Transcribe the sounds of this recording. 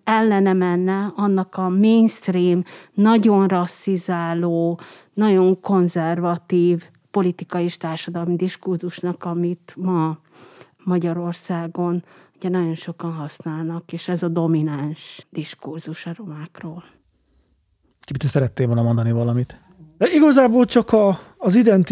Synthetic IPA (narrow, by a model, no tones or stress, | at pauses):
ɛlːɛnɛmɛnːɛɒnːɒkɒmeːnst̪riːmnɒɟo̞nrɒsːizaːloː | nɒɟo̞ŋko̞nzɛrvɒt̪iːv | po̞lit̪ikɒjeːʃt̪aːrʃɒd̪ɒlmid̪iʃkurzuʃnɒkɒmit̪mɒ | mɒɟɒɾo̞rsaːɡo̞nuɟɛnɒɟo̞nʃo̞kɒnɦɒsnaːlnɒkeːʃɛzɒd̪o̞minanʃd̪̥iʃkurzuʃɒro̞maːkroːl | kipit̪ːɛsɛɾɛt̪ːeːvolnɒmo̞nd̪ɒnivɒlɒmit̪ | iɡɒzaːboːlt͡ʃɒkɒːzid̪ɛnt̪